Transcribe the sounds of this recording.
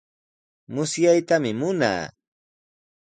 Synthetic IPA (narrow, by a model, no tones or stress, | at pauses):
mʊsjajt̪amɪmʊna̰ː